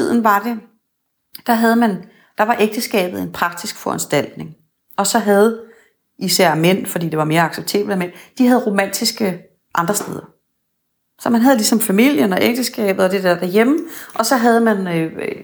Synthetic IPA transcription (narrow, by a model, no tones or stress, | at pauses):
ið̞̰ˠn̩ʋɑ̈d̥e̝ | d̥ɑ̈ɦæð̞̩ˠmæn | d̥ɑ̈ʋɑ̈ʔeɡ̥̚d̥əsɡ̥ɛ̰ːb̥ð̞̩ˠe̝npʰʁɑ̈ɡ̥̚d̥isɡ̥fɒ̽ænsd̥æl̰d̥ne̝ŋ | ɒ̽sɒ̽ɦæð̞ˠə | isæɐ̰men̰fɒ̽d̥ḭːd̥e̝ʋɑ̈me̝ːɐɑ̈ɡ̥seb̥̚t͡sʰḛːb̥l̩d̥æmen̰d̥ihɦæð̞ˠʁo̝mæn̰d̥isɡ̥ə | ʔɑ̈nd̥ʁɐsd̥eːð̞ˠɐ | sɒ̽mænɦæð̞ˠlisɒ̽mfæmil̰jənɒ̽ʔeɡ̥̚d̥əsɡ̥ɛ̰ːb̥ð̩ˠɒ̽d̥e̝d̥æɐ̰d̥æɐjeməʔɒ̽sɒ̽ɦæð̞̩ˠəmæn